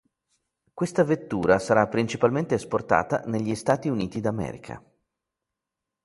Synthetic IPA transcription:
kwest̪avet̪ːuːɾasaɾapːɾint͡ʃipalment̪eːsport̪a̰ːt̪a̰neʎːist̪aːt̪iuniːt̪id̪amɛ̰ːɾḭkʰa̰

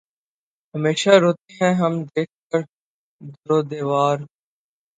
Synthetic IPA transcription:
ɦəmeːʃaɾoːt̪eɦɛ̃ɦəmd̪eːk̚ʰkəɾ | d̪əɾoːd̪eːʋaːɾ

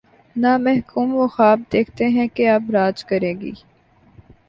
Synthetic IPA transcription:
naːmɛɦkuːmʋoxaːb̚d̪eːkʰt̪eɦɛ̃keabɾaːd͡ʒkɐɾẽːɡḭː

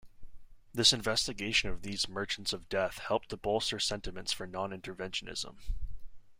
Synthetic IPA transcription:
ðɪsɨ̃ɱvɛstɨɡeɪʃɨ̃nʌvðizmɜ˞t͡ʃn̩tsʌvdɛθhɛlˠp̚t̪̚ðəbolˠsə˞sɛ̃ntɨmɨ̃ntsfə˞nɑ̃nɪ̃ntə˞vɛ̃nʃɨnɪ̰z̥ə̰̃m

